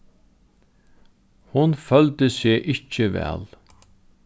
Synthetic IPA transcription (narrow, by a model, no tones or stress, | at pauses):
hʊnfœlt̪əsɪːʔɪt͡ʃːəʋɛ̰ːl